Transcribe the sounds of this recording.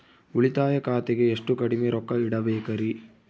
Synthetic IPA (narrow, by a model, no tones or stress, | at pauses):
uɭit̪aːjɐkaːt̪eɡeːʂʈukɐɽimeɾɔkːɐiɽɐbeːkɐɾi